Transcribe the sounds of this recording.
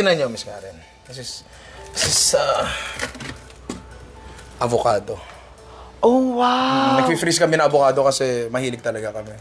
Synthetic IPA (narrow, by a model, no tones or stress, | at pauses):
ɪnɐɲomɪsɡa̰ːɾɛn | kɐs̬ɪs | sɪsɐ | ʔɐbokaːd̪o̞ | ʔowanɐɡ̚fifɾiskɐmɛnɐŋʔɐbokaːd̪o̞kɐsɛmɐhiːlɪɡ̚t̪ɐlɐɡakɐmɛ